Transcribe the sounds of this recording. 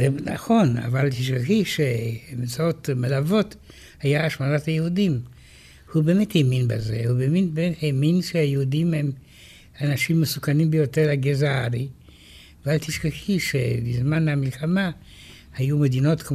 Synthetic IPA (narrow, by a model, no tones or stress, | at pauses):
ena̰xo̞na̰valt̪iʃkaxiʃemet͡saotmalavo̞t | hajaːʃmanathajehudim | hube̞ːmetheminbazehubeːminbemetheminʃehajehudimhem | anaʃimːesukanimbejo̞teʁlaɡezaaʁi | avalt̪iʃkaxiʃebizmanhamilxama | hajumed̪ino̞tk